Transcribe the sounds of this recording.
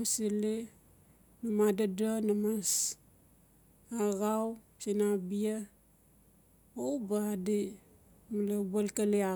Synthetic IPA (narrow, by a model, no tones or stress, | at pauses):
sili | namadadanamas | aɣaw | sinabia | owbadi | malabalkalia